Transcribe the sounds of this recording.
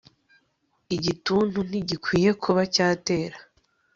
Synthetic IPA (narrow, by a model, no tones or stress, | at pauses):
iɟituːn̥un̥iɟikwiːje̞kʰuβacaːte̞ːɾḁ